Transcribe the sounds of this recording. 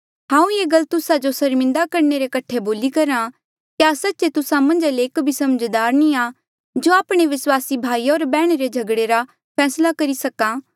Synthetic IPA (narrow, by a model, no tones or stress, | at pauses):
ɦãːũjeːɡɐlt̪ʊsad͡ʒosɐɾmɪ̃nd̪akɐɾneɾekɐʈʰːeboːlikɐɾã | kjaːsɐtːʃet̪ʊsãmɐ̃nd͡ʒaleːkbʱisɐmd͡ʒd̪aːɾnĩa | d͡ʒoaːpɽ̃eʋɪswaːsibʱaːioːɾbɛːɽ̃eɾed͡ʒʱɐɡɽeɾa | pʰɛːslakɐɾisɐkãː